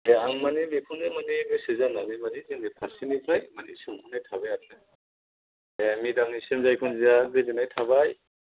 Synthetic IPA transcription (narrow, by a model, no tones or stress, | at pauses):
eaŋmanimikʰunɯmanibisɯzananimaniziŋnipʰasinipʰajmanḭsumkʰunajtʰabajadnɯ | emidaŋnisemzajkʰunziaɡezinajtʰaβaj